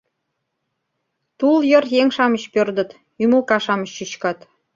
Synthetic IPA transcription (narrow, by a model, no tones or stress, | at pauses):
t̪uljə̆rjeŋʃɑmə̆ɕpørd̪ə̆t̪ | ymulkɑʃɑmə̆ɕːyɕkɑt̪